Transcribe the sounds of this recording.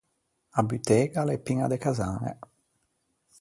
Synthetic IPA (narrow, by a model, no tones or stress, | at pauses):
abyt̪eːɡalepːiŋad̪ekazaŋḛ